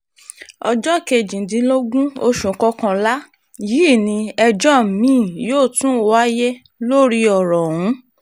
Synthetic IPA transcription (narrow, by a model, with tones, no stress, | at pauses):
ɔ˧d͡ʒɔ˦˨ke˧˨d͡ʒĩ˨˦dĩ˧˦lo˦ɡũ˦o˧ʃũ˨kɔ˧kã˧la˦ | ji˨˦˨nĩ˧ɛ˧d͡ʒɔ˦˨mĩː˦˨joː˦˨tũ˦˧wa˦je˦ | lo˦ɾi˧ɔ˨ɾɔ˨wũ˨˦